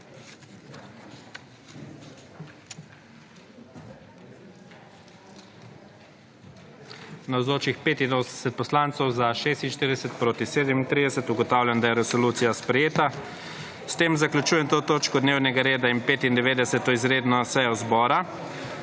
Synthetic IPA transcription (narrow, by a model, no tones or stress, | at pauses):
nawzoːt͡ʃixpeːt̪inosɛsɛt̪̚pɔslaːnt̪sɔwzaʃeːst̪inʃt̪iːɾid̪ɛsɛt̪̚pɾoːt̪iseːd̪ɛmint̪ɾid̪ɛsɛt̪uɡɔt̪aːwlʲjand̪ajɛɾɛsɔluːt̪sijaspɾɛjeːt̪a | st̪eːmzaklut͡ʃuːjɛmt̪oːt̪oːt͡ʃkɔd̪neːwnɛɡaɾeːd̪ainpeːt̪ind̪ɛʋeːd̪ɛsɛt̪ɔizɾeːd̪nɔsɛjɔzbɔːɾa